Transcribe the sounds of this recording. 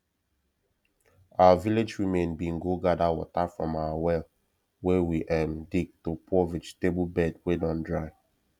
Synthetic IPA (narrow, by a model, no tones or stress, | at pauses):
awaviled͡ʒɹimẽnbĩnɡoɡadawɔ̰tafɹɔ̃mawawɛl | wɛwiʔɛ̃mdiɡ̚topʰɔvid͡ʒteblbɛd̚wedɔ̃ndɹaɪ